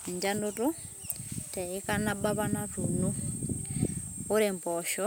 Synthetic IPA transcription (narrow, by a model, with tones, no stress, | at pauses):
e˨ɲd͡ʒa˦ndutu˦ | tɛ˨i˦ka˦na˦ba˦βa˦na˦tunu˦ | u˦ɾɛ˨mpɔʃɔ˦